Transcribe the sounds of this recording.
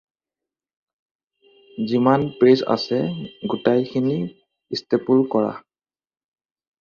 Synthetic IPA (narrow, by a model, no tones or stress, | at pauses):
zimanpɹesa̰sɛɡutajkʰini | istepulkɔɹa̰